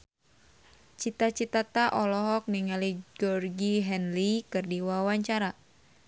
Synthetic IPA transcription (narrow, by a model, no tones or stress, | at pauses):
t͡ʃit̪at͡ʃit̪at̪aʔɔlɔɦɔk̚niŋalid͡ʒɔrɡiɦɛnlikɨrdiwawaɲt͡ʃaɾa